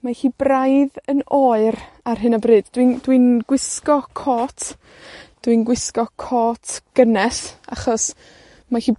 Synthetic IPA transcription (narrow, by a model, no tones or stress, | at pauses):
mahiːbrajðənoːɨɾ | arɦɨnabrɨːdd̥windwinɡwɪskɔkʰoːtʰ | d̥winɡwɪskɔkʰɔːtʰɡ̥ənɛθa̰χɔs | mahiː